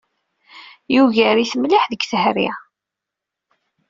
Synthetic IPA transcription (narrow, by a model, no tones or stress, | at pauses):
juʝəɾiθəmliħðəɡθəhɾḭ